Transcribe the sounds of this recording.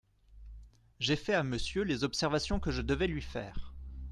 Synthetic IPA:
ʒefɛaməsjølezɔpsɛʁvasjɔ̃kəʒəd̪əvɛlɥifɛ̰ːʁ

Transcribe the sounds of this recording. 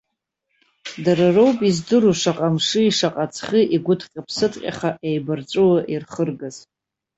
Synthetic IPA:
dararowpʼizdɨɾuʂaqʼamʂɨiʂaqʼat͡sʰχɨʔiɡʷʊtʰqʲʼapʰsɨtʼqʲʼa̰χaʔejbɨrt͡ʃʷʼuwaʔirχərɡaz

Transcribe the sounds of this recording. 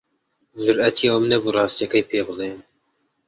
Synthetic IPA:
zʊɾʔɛt̪ʰijɑmnɛburˤɑːst̪ijɛkɐjpʰeːbɨleːn

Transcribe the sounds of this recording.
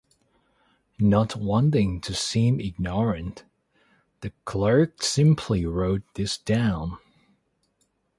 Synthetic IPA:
nət̚wɑ̃ntɪ̃ŋtʰɨsĩmɪɡ̚nɔɹɨ̃n | ðɨkʰl̥ɜ˞ksɪ̃mpʰliɹoʊt̪̚ðɪsd̥ãʊ̃n

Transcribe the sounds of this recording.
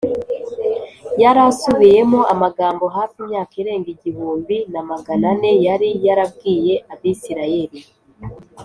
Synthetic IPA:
jaɾasuβije̞moʔamaɡaːmbo̞ɦaːfiːmɲaːkaɾe̞ːŋɡiɟihuːmbinamaɡanane̞jaɾijaɾab̚ɡiːje̞ʔaβisiɾaje̞ɾi

